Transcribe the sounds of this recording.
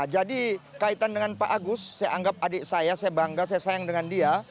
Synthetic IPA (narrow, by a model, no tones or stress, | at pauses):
d͡ʒadikait̪andəŋanpaʔaɡʊsːajaʔaŋɡap̚adɪʔsajasajabaŋɡasajasajaŋdəŋandia